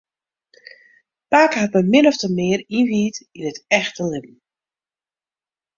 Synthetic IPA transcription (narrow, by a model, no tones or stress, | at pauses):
paːkhatməmɪnɔftəmɪərinʋiːtinətɛxtəlɪb̚n̩